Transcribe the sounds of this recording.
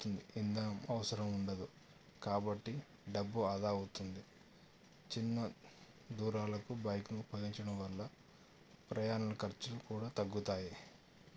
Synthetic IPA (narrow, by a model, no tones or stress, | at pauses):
t̪und̪iind̪ɐmɐʋɐsɐɾɐmuɳɖɐd̪u | kaːbɐʈːi | ɖɐbːuɐd̪aːut̪und̪i | t͡ʃinːɐ | d̪uːɾaːlɐkubɐjknuupʰɐɡiɲt͡ʃɐɽɐmʋɐlːɐ | pɾɐjaːnɐlɐkɐɾt͡ʃulukuːɽaːt̪ɐɡːut̪aːji